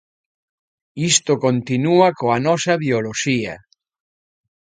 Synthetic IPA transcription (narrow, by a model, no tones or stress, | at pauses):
ist̪okont̪inuɐkoanɔsɐβioloʃiɐ̰